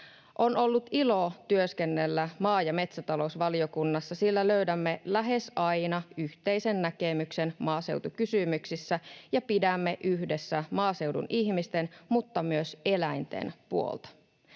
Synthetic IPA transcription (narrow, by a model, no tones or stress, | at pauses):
ʔo̞no̞lːut̪ilo̞t̪yøskenːe̞lːæmɑːjɑme̞t̪sæt̪ɑlo̞usʋɑlio̞kunːɑsːɑsilːæløydæmːe̞læɦe̞sɑjnɑyçt̪e̞jsenːæke̞mykse̞nmɑːse̞wt̪ukysymyksisːæjɑpidæmːe̞ʔyçde̞sːæmɑːse̞wdṵniçmist̪enmut̪ːɑmyøse̞læjnt̪ḛnpuo̰lt̪ɑ̥